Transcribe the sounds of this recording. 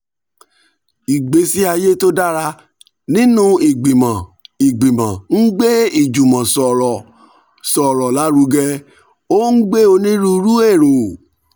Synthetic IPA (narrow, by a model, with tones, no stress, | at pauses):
i˨ɡ͡be˨˦si˦a˧je˦to˦da˦ɾa˧ | nĩ˦nũ˦i˨ɡ͡bĩ˨mã˨i˨ɡ͡bĩ˨mã˨ŋ̩˦ɡ͡be˦i˦˨d͡ʒu˨mã˨sɔ˨ɾɔ˨ | sɔ˨ɾɔ˨la˨˦ɾu˧˦ɡɛ˧ | o˦n̩˦ɡ͡be˦o˧nĩ˦ɾu˦ɾu˦e˦˨ɾ̃ũ˨